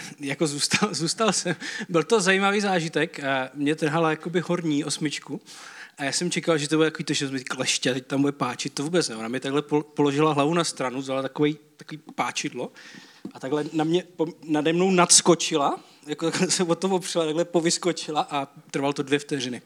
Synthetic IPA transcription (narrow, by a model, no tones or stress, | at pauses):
jakozuːst̪alzuːst̪alsɛmbɪlt̪o̞zajimaviːzaːʒɪt̪ɛkmɲɛt̪r̩ɦalajako̞bɪɦoɾɲiːʔosmɪt͡ʃkuʔajaːsɛmt͡ʃɛkalʒɛt̪obuɾɛt̪akovit̪oʃɪnosmt̪iklɛʃcɛt̪ɛc̚t̪ambudɛpaːt͡ʃɪt̪̚t̪ːovuːbɛt͡snɛonamɲɛt̪aɡlɛpopoloʒɪlaɦlavunast̪ɾanuzalat̪akovɛjt̪akoviːpaːt͡ʃɪdloʔat̪aɡlɛnamɲɛponadɛmno̞wnat̪sko̞t͡ʃɪla | jakot̪aɡlɛsɛpot̪omopr̝̥ɛlat̪aɡlɛpovɪskot͡ʃɪlaʔat̪ɾ̩valt̪odvjɛft̪ɛr̝ɪnɪ